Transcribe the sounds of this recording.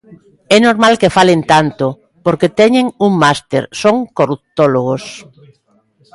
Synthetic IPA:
ɛnoɾmalkefalent̪ant̪o | poɾket̪ɛɲeŋuŋmast̪ḛɾsoŋkoɾuk̚t̪oloɣ̞os

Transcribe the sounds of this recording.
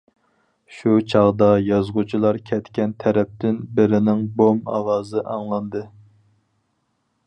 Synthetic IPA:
ʃut͡ʃʰɑʁd̪ɑjɑzʁut͡ʃʰilˠɑɾkʲʰɛt̪kʲɛnt̪ʰɛɾɛp̚t̪ɪnbɪɾɪnɪŋbomɑ̰wɑːzɨʔɑŋlˠɑnd̪ɨ

